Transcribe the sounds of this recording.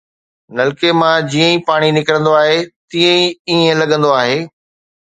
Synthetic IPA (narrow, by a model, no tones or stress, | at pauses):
nɐlkemãd͡ʑiːə̃ĩpaːɽ̃inɪkɾə̃nd̪oaːɦet̪iːə̃ĩiə̃lɐɠʱə̃nd̪oaːɦeː